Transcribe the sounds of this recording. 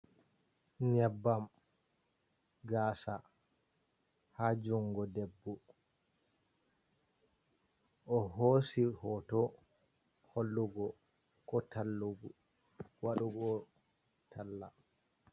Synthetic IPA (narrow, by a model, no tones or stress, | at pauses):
ɲɛbːam | ɡaːsa̰ | had͡ʒuŋɡɔdebːu | ʔɔɦoːsihɔtɔ | holːuɡɔ | kɔtʰalːuɡu | waɗuɡɔ | tʰalːa